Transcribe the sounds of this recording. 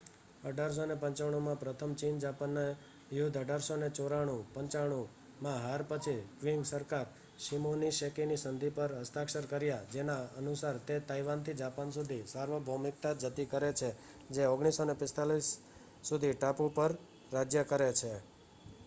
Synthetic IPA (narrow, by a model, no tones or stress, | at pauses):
əɖʱaɾs̬onepəɲt͡ʃaɽ̃omãpɾət̪ʰəmt͡ʃind͡ʒapanːa | jud̪ʱəɖʱaɾsonet͡ʃoɾaɽ̃ũpə̃ɲt͡ʃaɽ̃o | mãɦaɾpət͡ʃʰikʋiŋɡsəɾkaɾ | ʃimoniʃekinisənd̪ʱipəɾɦəst̪ʰakʃəɾkəɾjad͡ʒenaənusaɾt̪et̪aiʋant̪ʰid͡ʒapansud̪ʱisaɾʋəbʱomɪk̚t̪ad͡ʒət̪ikəɾet͡ʃʰe | d͡ʒeoɡɽ̃isonepɪst̪alisː | ud̪ʱiʈapupəɾ | ɾad͡ʒjəkəɾet͡ʃʰe